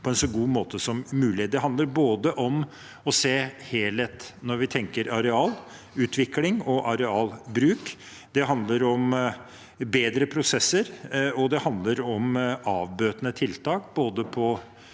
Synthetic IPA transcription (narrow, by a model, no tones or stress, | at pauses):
pʰɔɛnsɔɡuːmoːt̪əsɔmːʉːlɪd̪ɛɦɑnd̪ləɾboːd̪əʔɔm | ɔseːheːlɛt̪nɔɾʋɪt̪ʰɛŋkəɾɑɾɛɑːl | ʉːt̪ʰʋɪklɪŋɔʔɑɾɛɑːlbɾʉːk | d̪ɛɦɑnd̪ləɾɔm | beːd̪ɾəpʰɾʊsɛsːəɾɔd̪ɛhɑnd̪ləɾɔmɑːʋbøːt̪nət̪ʰɪlt̪ʰɑːkboːd̪əpʰɔ